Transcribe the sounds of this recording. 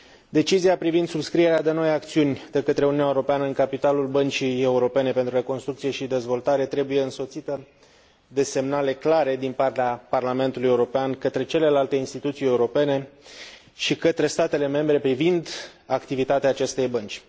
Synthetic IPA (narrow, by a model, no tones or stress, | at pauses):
d̪e̞t͡ʃiziapɾivind̪subskɾie̞ɾead̪e̞no̞jak̚t̪siunʲd̪e̞kət̪ɾe̞ununʲaeuɾo̞peanəɨnŋkapit̪alulbənt͡ʃije̞uɾo̞pe̞ne̞pent̪ɾuɾe̞ko̞nst̪ɾukt̪sie̞ʃid̪e̞zvo̞lt̪aɾe̞t̪ɾe̞buje̞ɨnso̞t̪sit̪ə | d̪e̞se̞mnale̞klaɾe̞d̪inpart̪eaparlame̞nt̪uluje̞uɾo̞peankət̪ɾe̞t͡ʃe̞le̞lalt̪e̞inst̪it̪ut̪sije̞uɾo̞pe̞ne̞ | ʃikət̪ɾe̞st̪at̪e̞le̞me̞mbɾe̞pɾivind̪akt̪ivit̪at̪eaːt͡ʃe̞st̪e̞jbənt͡ʃʲ